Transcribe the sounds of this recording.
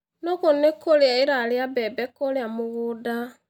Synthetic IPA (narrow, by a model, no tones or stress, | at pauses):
nɔɣonekoɾeaeɾaɾeabɛbɛkoɾeamoɣoda